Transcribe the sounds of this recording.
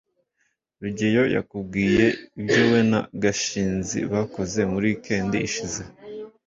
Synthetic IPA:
ɾuɟejo̞ja̰kubɡiːje̞ibɟowe̞na̰ɡaʃiːnzḭβako̞ze̞muɾike̞ːndiːʃize

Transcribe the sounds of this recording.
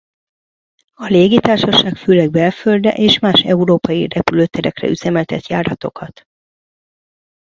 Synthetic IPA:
ɒleːɡit̪aːrʃɒʃaːkføːlɛɡ̚bɛlføld̪ɛ̰ʔeːʃmaːʃɛuɾoːpɒjḭrɛpyløːt̪ɛɾɛ̰krɛ̰yzɛmɛlt̪ɛt̪ja̰ːɾɒt̪o̞kɒt̪

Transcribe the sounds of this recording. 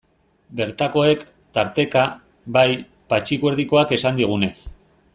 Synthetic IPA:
be̞ɾt̪ako̞e̞k | t̪aɾt̪e̞ka | baj | pat͡ʃikweɾðiko̞ake̞sand̪iɣ̞une̞s

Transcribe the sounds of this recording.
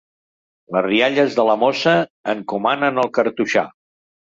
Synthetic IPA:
ləzriaʎəzðələmosəːŋkumanənəlˠkəɾt̪uʃa̰

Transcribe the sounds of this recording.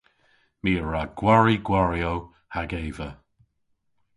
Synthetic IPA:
miːəɹaɡ̥waɹiɡwaɹiow | haɡeːvə

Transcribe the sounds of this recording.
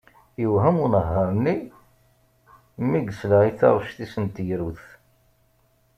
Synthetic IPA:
jəwɦəmunəɦːæmni | mːiɡəsləiθɑ̰ɾˤʃθisənt̪jɾuθ

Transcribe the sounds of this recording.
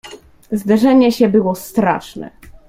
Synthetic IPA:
zd̪ɛʐɛɲɛɕɛbɘwɔst̪ɾa̰ʂnɛ̰

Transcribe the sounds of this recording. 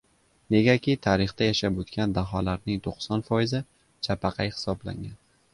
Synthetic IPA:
ne̞ɡʲakʲit̪ʰaɾɪχt̪ajaʃapɵt̪kʲand̪aɦɒlaɾnɪŋt̪ʰoqsɒnfɒjɪzɪ | t͡ʃʰapʰaqʰɑjhɪ̥sɒbla̰ŋɡʲan

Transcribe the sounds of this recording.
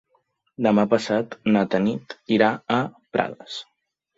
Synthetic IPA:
d̪əmapəsat̪nat̪ənit̪iɾaː | pɾʔa̰ðəs

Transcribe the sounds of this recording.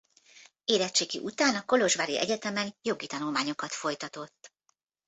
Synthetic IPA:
eːɾɛt͡ʃeːkḭʔut̪aːnɒko̞lo̞ʒʋaːɾḭɛ̰ɟɛt̪ɛmɛnjo̞ɡit̪ɒnulmaːɲo̞kɒt̪fo̞jt̪ɒt̪o̞t̪ː

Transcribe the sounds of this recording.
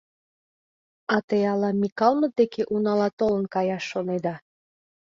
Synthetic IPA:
ɑt̪ejɑlɑmʲikɑlˠmə̆d̪ekeʔunɑlɑt̪olə̆nkɑjɑʃːoned̪ɑ

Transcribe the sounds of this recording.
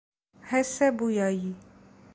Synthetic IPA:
hɛsɛbujaji

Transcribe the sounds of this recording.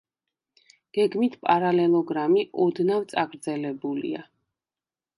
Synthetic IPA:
ɡ̥ɛɡmit̪ʰpʼaɾalɛlˠɔɡɾamiʔɔd̪navt̪sʼaɡɾd̪zɛlɛbulḭa

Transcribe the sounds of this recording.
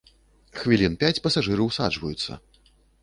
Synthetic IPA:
xvʲilʲinpʲat͡sʲpɐsaʐɨɾɐwsa̰d͡ʐvɐjut̪sːɐ̰

